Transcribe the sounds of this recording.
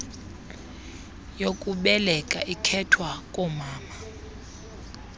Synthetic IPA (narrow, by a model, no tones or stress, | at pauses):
jokʼuɓɛlɛkʼaʔikʰɛtʰwakʼɔmaːma